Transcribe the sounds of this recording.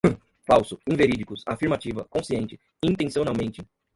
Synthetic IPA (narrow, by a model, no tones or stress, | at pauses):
fawsʊĩveɾid͡ʒikʊsafiɾmat͡ʃivɐkõsiẽnt͡ʃɪ | ĩnt̪ẽsionawmẽnt͡ʃɪ